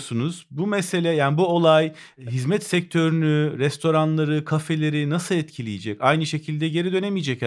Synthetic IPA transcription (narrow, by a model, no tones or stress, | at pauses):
sunuz̥bumɛse̞lʲɛjaːnibuolˠaj | ɦizmɛt̪sɛc̚t̪ʰø̞ɾynyɾɛst̪ʰo̞ɾanlˠaɾɯkʰafe̞lʲe̞ɾinasɯlˠɛt̪cʰilʲijed͡ʒɛcajnɯʃe̞cʰilʲd̪ɛɟe̞ɾid̪ø̞nemijd͡ʒɛc